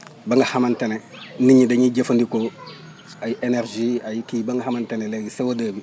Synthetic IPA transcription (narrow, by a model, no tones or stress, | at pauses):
baŋɡahamanteneniɲideɲiɟefundiko | ajiʔeneɾʒiajikibaŋɡaɦamanteneleɡisewodaːbi